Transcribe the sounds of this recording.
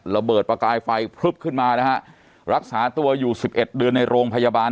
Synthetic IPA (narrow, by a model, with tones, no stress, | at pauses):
ɾa˧bɤː˨˩t̪̚pɾa˧kaː˧jfa˧jpʰɾu˦˥˩p̚kʰɯ˥˩nmaː˧na˦˥kʰa˦˥ʔ | ɾa˦˥k̚saː˩˦t̪u˧ɐjuː˨˩si˨˩p̚ʔe˨˩t̪̚dɯ˧ənːa˧jɾoː˧ŋpʰa˧jaː˧baː˧n